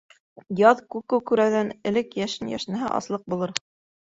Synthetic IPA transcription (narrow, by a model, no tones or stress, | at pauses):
jɑðkʉkɘwkʉɾæwðænɘ̆lɘkjæʃɘnjæ̰ʃnæɦæʔɑ̰slˠɤq̚bulˠɤɾ